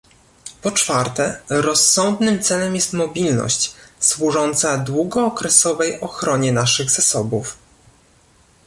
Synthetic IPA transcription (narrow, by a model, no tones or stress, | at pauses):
pɔt͡ʂfaɾt̪ɛɾɔsːɔnd̪nɘmt̪sɛlɛmjɛst̪mɔbʲilnɔ̰ɕt͡ɕswuʐɔnt̪sad̪wuɡɔːkɾɛsɔvɛjɔxɾɔɲɛnaʂɘɣzasɔbuf